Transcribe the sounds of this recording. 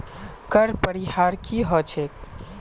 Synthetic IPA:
kəɾpəɾihaːɾkiɦɔt͡ʃʰek

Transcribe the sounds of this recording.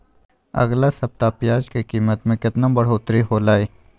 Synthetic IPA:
ɐ̰ɣlasɐb̚t̪aːpɪjaːd͡ʒkikiːmət̪mẽkɪt̪nãbəɽ̤oːt̪ɾiɦoːlaːeː

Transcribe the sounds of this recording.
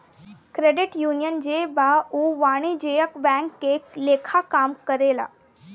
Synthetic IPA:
kɾeɖɪʈjuːnjənd͡ʑebauʋaːɽ̃id͡ʑejəkbɛ̃ŋkːeleːkʰakamkəɾela̰

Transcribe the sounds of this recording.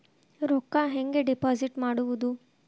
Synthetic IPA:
ɾɔkːaɦeŋɡeɖipaːziʈmaːɽuʋud̪u

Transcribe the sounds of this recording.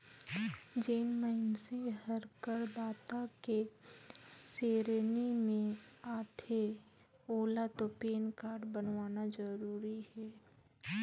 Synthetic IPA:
d͡ʒeːnməɪnseɦəɾkəɾd̪aːt̪ake | seːɾnimẽaːʈ̪ʰe | oːlat̪opeːnkaːɾɖbənʋaːnad͡ʒəɾuːɾihɛː

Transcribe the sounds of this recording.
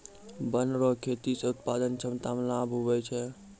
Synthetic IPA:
bənɾɔkʰet̪iseʊt̪pad̪ənt͡ʃʰəmt̪amlabɦobɛt͡ʃʰɛ

